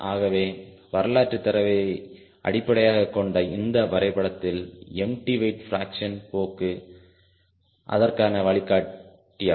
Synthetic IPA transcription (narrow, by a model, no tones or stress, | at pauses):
ʔaːɣɐʋeː | ʋɐɾɐlaːʈrɯt̪ːɐɾɐʋɐ | ʔɐ̰ɽɪpːɐɽɐjaːɣɐkːɔɳɖɐɪnd̪ɐʋɐɾɐɪpɐɽɐt̪ːɪlɛmʈiʋɐɪʈfɾaːkʂɐnpoːkːɯ | ʔɐ̰ðɐrkaːnɐʋɐɭɪkːaː | ʈːɪja